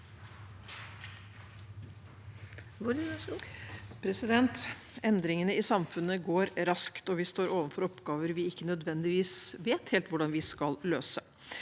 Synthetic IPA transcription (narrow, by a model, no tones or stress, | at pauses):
ʋʊɾ | pʰɾɛsɪd̪ɛnt̪ | ɛnd̪ɾɪŋənəɪsɑmfʉnːəɡoːɾɾɑskt̪ɔʋɪst̪oːɾʔoːʋənfɔɾɔpɡɑːʋəɾʋɪɪkːənœd̪ʋɛnd̪ɪʋiːsʋeːt̪heːlt̪ʋʊɖɑnʋɪskɑlløːsə